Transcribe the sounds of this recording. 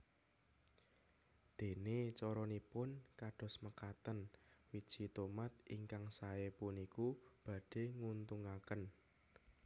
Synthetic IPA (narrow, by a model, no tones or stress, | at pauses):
d̪̥e̤net͡ʃɔɾɔnipʊnkaɖ̥ɔ̤sməkat̪ənwid̥ʒ̥i̤t̪omat̪̚ʔiŋkaŋsaepunikub̥ä̤ɖ̥e̤ŋunt̪uŋakən